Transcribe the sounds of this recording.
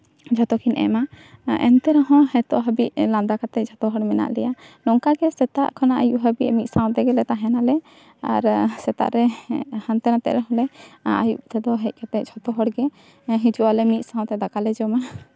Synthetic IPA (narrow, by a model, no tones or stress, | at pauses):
d͡ʒʱɔt̪ɔkʰinʔɛ̰ma | ɛ̰nt̪ɛɾaɦɔ̃ɦɛt̪ɔʔɦəbiʔlãnd̪akat̪ɛd͡ʒʱɔt̪ɔɦɔɽmɛna̰ʔlɛjanɔŋkaɡɛsɛt̪aʔkʰanaʔajuʔɦəbiʔmit̪saw̃t̪ɛɡɛlɛt̪aɦɛnalɛ | a̰ɾsɛt̪a̰ʔɾɛhant̪ɛnat̪ɛ̰ʔɾaɦɔ̃lɛa̰juʔt̪ɛd̪ɔɦɛc̚ˀkat̪ɛc̚d͡ʒʱɔt̪ɔɦɔɽɡɛ | ɦid͡ʒuʔalɛmit̪̚sãw̃t̪ɛd̪akalɛd͡ʒɔma